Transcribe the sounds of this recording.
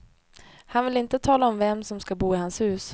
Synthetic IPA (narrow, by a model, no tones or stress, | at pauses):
hanvɪlɪnt̪ət̪ʰɑːlaɔmvɛmːsɔmskabuːɪhanshʉ̟ːs